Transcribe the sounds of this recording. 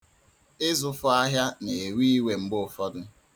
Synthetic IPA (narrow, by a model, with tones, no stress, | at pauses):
ɪ˦zʊ˦fʊ˦a˦ɦja˦ne˨e˨wi˦i˦we˨m̩˨ɡ͡bʊ˦ʊ˨fɔ˦dʊ˦